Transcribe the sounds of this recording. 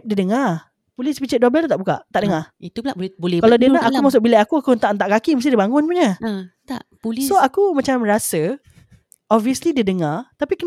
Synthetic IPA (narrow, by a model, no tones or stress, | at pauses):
diədəŋa | pulispit͡ʃəʔ̚dabɛlt̪aʔbuka̰ʔt̪aʔdəŋait̪ublabolɛkalladiənaʔʔakumas̬ʊk̚bilaakuakunt̪aʔnt̪aʔkakiməs̬t̪idibaŋʊnpuɲat̪a̰ʔpulssoakumãt͡ʃamrasə | ɔbviəslidədəŋat̪apikən